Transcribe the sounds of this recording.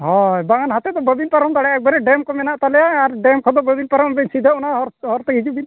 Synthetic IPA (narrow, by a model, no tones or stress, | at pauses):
ɦɔ̃ɛbaŋanɦat̪ɛd̪ɔbəbilpaɾɔmd̪aɽɛaɛk̚bɛɾɛɖɛmkɔmɛnaʔt̪alɛjaːɾɖɛmkʰɔd̪ɔbəbilpaɾɔmbɛɲsid̪ʱaʔɔnaɦɔɾɦɔɾt̪əid͡ʒubin